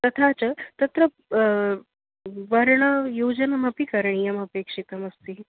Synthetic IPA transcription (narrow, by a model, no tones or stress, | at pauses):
t̪ɐt̪ʰat͡sɐt̪ɐt̪ɾɐ | ʋɐɾɳɐjuːd͡ʒɐnɐmɐpikɐɾɳ̃ijɐmɐpeːkʂit̪ɐmɐst̪i